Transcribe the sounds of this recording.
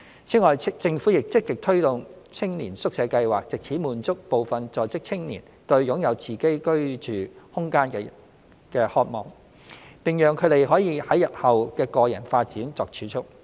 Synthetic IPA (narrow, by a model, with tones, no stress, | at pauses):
t͡sʰiː˨˥ŋɔː˨jt͡sɪ˧ŋfuː˨˥jɪ˨k̚t͡sɪ˥kːɪ˨k̚t̪ʰɵ˥ɥt̪ʊ˨ŋt͡sʰɪ˥ŋniː˨˩nsʊ˥k̚sɛ˨˧˥kɐ˧jwaː˨˩k̚t͡sɪ˨k̚t͡sʰiː˨˥muː˨˩nt͡sʊ˥k̚po˨wfɐ˨nt͡sɔː˨˧jt͡sɪ˥k̚t͡sʰɪ˥ŋniː˨˩n | t̪ɵ˧ɥjʊ˨˥ŋjɐ˨˧wt͡sʰiː˨˩ke˥jkɵ˥ɥt͡ʃyː˨˩hʊ˥ŋkaː˥nkɛː˧ | kɛː˧hɔː˧t̚mɔː˨˩ŋ | pɪ˨˩ŋjœː˨ŋkʰɵ˨˧ɥt̪e˨jɦɔː˨˥jiː˨˧˥hɐ˨˥jɐ˨t̚hɐ˨wkɛː˧kɔː˧jɐ̰˨˩nfaː˧t̚t͡siː˨˥nt͡sɔː˨k̚t͡ʃʰyː˨˧˥t͡ʃʰʊ˥k̚